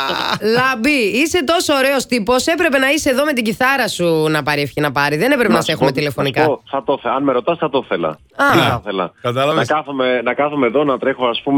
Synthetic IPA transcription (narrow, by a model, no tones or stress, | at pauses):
lɐbiise̞t̪o̞so̞ːɾe̞ost̪ipo̞se̞pɾe̞pe̞nɐise̞ːðo̞me̞t̪iɟiθɐɾɐsunɐpɐɾefçinɐpɐɾiðe̞ne̞pɾepenɐsexumet̪ile̞fo̞nikɐoθɐt̪oθeɐnmeɾot̪ɐsθɐt̪oθe̞lɐ̰ | ɐɐθelɐ̰kɐt̪ɐlɐvnɐskɐθomenɐkɐθumeðo̞nɐt̪ɾexoɐspum